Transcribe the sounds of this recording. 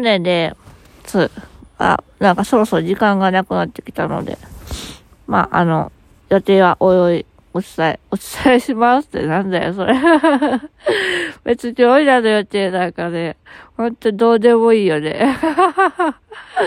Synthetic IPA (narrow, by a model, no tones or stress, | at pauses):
nẽnd̪e | t͡sɨːa̰nãŋkaso̞ɾo̞sod͡ʑikãŋɡanakɯ̟nat̪ːe̞̥kʲi̥t̪ano̞̰d̪e̞̰ | ma̰ʔa̰no̞̰ | jo̞t̪e̞ːβaʔojoi | ot͡sɨ̥t̪aiot͡sɨ̥t̪ʰaiɕimasɨ̥t̪ːe̞̰nãnd̪ajoso̞ɾe | be̞t͡sɨkʲoːinanojo̞t̪e̞ːnãkane̞hõ̞nt̪oid̪o̞ːd̪e̞mo̞iːjod̪ḛ